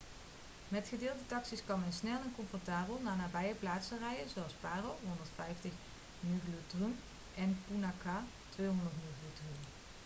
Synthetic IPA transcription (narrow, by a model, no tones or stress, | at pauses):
mɛtχədɪːlˠdətɑksiskɑnmɛnsnɛlˠɛnkɔɱfɔrtaːbəlˠnaːnaːbɛjəplaːtsərɛjəzowɑlˠspaːrowɦondəɹtfɛjftəχ | nyɡløtrym | ʔɛnpunaka | tʋejɦɔndəɹtmyɣlotryn